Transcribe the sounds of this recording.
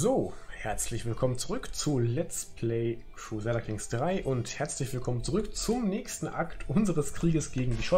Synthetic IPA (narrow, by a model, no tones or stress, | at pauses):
zoːhɛɐt͡slɪçv̥ɪlkʰɔmənt͡suʁʏkt͡sulɛt͡spʰlɛɪkʁ̥uːzɛdakʰɪŋsd̥ʁaɪʔʊnthɛɐt͡slɪçv̥ɪlkʰɔmənt͡suʁʏkt͡sʊmnɛːçstn̩ʔa̰ktʰʔʊnzəʁəskʁ̥iːɡəsɡ̥eːɡŋ̩diːʃɔ